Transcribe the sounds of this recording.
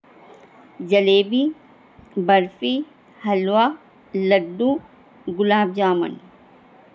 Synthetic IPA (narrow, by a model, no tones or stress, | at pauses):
d͡ʒɐleːbi | bɐɾfi | hɐlwaː | lɐɖːu | ɡʊlaːbd͡ʒaːmɐ̰n